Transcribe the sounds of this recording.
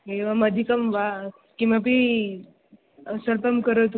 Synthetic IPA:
ɦeʋaməd̪ʱikəmʋa | kĩʋap̬iː | səlpəmkəɾət̪

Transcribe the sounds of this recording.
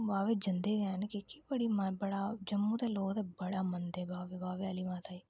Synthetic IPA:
baːʋeːd͡ʒənd̪eːɡãːnekɪkibəɽiːməbəɽaːd͡ʒəmːũːt̪eːloːɡt̪ebəɽaːmənd̪eːbaːʋebaːʋealiːmãːt̪aːiː

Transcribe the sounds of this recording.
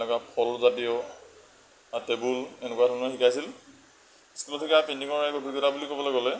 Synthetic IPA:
nɛkwapʰɔlzatiɔ | atebulenɛkuwadʱɔnɔxikajs̬il | iskilɔtʰikapendiŋɔɛkɔdʰʱiɡɔtabulikobɔlejɡɔlɛ

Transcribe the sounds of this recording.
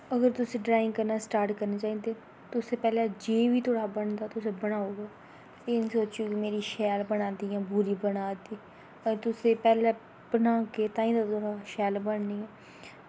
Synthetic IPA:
əɡəɾt̪ʊsẽːɖɾaːɪ̃ŋɡkəɾnaːsʈaːɾʈkəɾneːt͡ʃaːiːd̪eː | t̪ʊseːpɛːlaːd͡ʒeːʋiːt̪ʰoːɽaːbəɳd̪aːt̪ʊsẽːbəɽ̃aːoːɡaː | eːñːsoːt͡ʃjuːkɪmeːɾiːʃɛːlbəɽ̃aːnd̪iːãːbuɾiːbənaːd̪iː | əɾt̪ʊsẽːpɛːleː | bənaːkeːt̪ãːĩːd̪aːt̪oɽaːʃɛːlbəɳniːɛ̃ː

